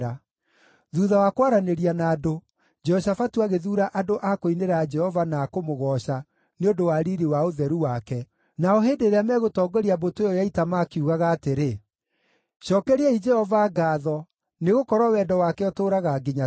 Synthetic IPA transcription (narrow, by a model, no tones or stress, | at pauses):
a | ðuðawakwaɾaneɾianaːdo | d͡ʒɛɔɕafatuaɣeðuːɾaʔadoʔakoineɾad͡ʒɛhɔvanaːkomoɣɔːɕa | neondowaɾiɾiwaoðɛɾuwakɛ | naɔɦeːdeɾeamɛɣotɔːɡɔɾiabotejɔjaitamakeuɣaɣaːteɾe | ʃɔːkɛɾeɛid͡ʒɛhɔvaːɡaːðɔ | neɣokɔɾwawɛːdɔwakɛɔtoːɾaɣaɡiɲa